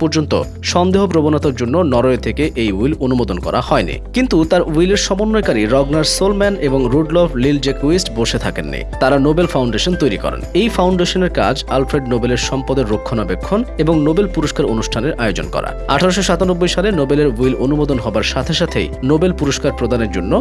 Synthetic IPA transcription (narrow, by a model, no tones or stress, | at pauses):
pɔɾd͡ʑont̪o̰ | ʃɔnd̪eɦopɾobonat̪aɾd͡ʑonːonɔɾoet̪ʰekeʔejuilonumod̪onkɔ̰ɾa̰hɔenḭkint̪ut̪aɾuileɾʃɔmonːojkaɾiɾɔɡnaɾɖsolmɛneboŋɾuɖlɔflild͡ʑekuisʈboʃet̪ʰakḛnːḭt̪aɾanobelfawɳɖeʃont̪ojɾikɔ̰ɾḛnejfawɳɖeʃoneɾka̰d͡ʑalfɾeɖnobeleɾʃɔmpɔd̪eɾːokʰːonabekʰːoneboŋnobelpuɾoʃkaɾonuʃʈʰaneɾajod͡ʑo̰nkɔ̰ɾa̰a̰ʈʰaɾoʃoʃat̪onobːojʃalenobeleɾuilonumod̪onɦɔbaɾʃat̪ʰeʃat̪ʰḛjnobelpuɾoʃkaɾpɾod̪ʱaneɾd͡ʑonːo